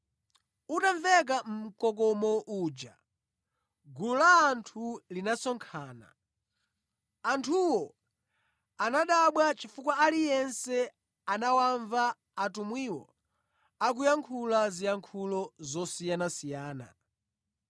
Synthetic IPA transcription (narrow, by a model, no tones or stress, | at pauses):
utaɱvɛk̬am̩m̩kɔk̬ɔmɔʔuːd͡ʒa | ɡululaːntʰulinasɔŋkʰaːna̰ | antʰuwɔ | anaɗaɓwat͡ʃifukwaalijɛnsɛ | anawaɱvaː | tumwiwɔ̰ | ak̬ujaŋkʰulazijaŋkʰulɔzɔsijanasijaːna̰